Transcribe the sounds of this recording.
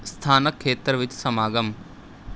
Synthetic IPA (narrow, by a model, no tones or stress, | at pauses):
st̪ʰaːnəkʰːeːt̪ɾəʋɪt͡ʃsɐmaːɡɐm